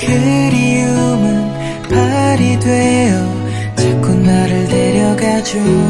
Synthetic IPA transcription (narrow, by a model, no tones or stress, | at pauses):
kɯɾiumɯn | pʰaɾidwejʌ | t͡ɕʰak͈unːaɾɯɭdeɾjʌɡad͡ʑu